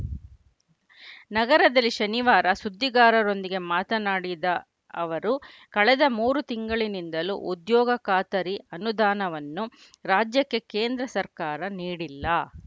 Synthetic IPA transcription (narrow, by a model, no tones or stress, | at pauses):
nɐɡɐɾɐd̪ɐlːiʃɐniʋaːɾɐsud̪ʱːiɡaːɾɐɾo̞nd̪iɡe̞maːt̪ɐnaːɽid̪ɐ | ɐʋɐɾu | kɐɭɛd̪ɐmuːɾut̪iŋɡɐɭinind̪ɐlṵʔud̪jɔːɡɐkaːt̪ɐɾiɐnud̪aːnɐʋɐnːu | ɾaːd͡ʒjɐkːe̞keːnd̪ɾɐsɐɾkaːɾɐniːɽilːɐ